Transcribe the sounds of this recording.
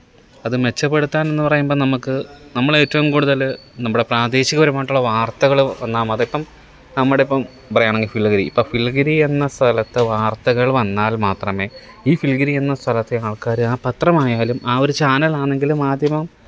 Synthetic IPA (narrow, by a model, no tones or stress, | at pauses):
ɐðɨme̞t͡ɕːɐpːe̞ɽut̪ːaːne̞nːɨpɐrɐjumbo̞ːnɐmukːɨnɐmːɐɭe̞ːtːɐʋumkuːɽuðɐlnɐmːuɽe̞praːd̪e̞ːɕiɣɐʋɐɾumaːʈːuɭːɐʋaːrt̪ɐɣɐɭʋɐnːaːmɐðipːɐm | nɐmːuɽeipːɐm | bɐrɐjaːɳeŋɡilfilːɡɐɾiːpːo̞ːfilːɡɐɾie̞nːɐst̪ʰɐlɐt̪ːɨʋaːrt̪ɐɣɐɭʋɐnːaːlmaːt̪rɐme̞ː | iːfilɡɐɾie̞nːɐst̪ʰɐlɐt̪ːeaːɭkaːɾɨaːpɐt̪rɐmaːjaːlumʔaːoɾut͡ɕaːnɐlaːɳe̞ŋɡilumːaːd̪ʱjɐmɐm